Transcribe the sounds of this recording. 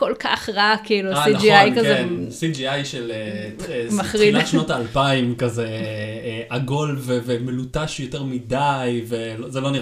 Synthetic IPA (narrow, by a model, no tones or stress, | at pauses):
kolka̰χʁakiiluainad͡ʒiajkazkeensid͡ʒiajʃele | maχʁidaʃnnotaːlpaimkaze | aɡo̞lvevemelutaʃjote̞ʁmidajvelozelo̞niʁ